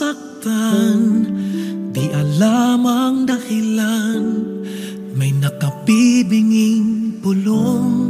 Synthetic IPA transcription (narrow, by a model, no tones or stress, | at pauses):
ak̚t̪an | t̪iʔalamaŋd̪ahilan | majnakapibɪŋɪŋpʊloŋ